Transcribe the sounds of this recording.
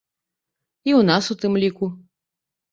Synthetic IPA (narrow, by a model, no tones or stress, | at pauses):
iwn̪asut̪ɨmlʲiku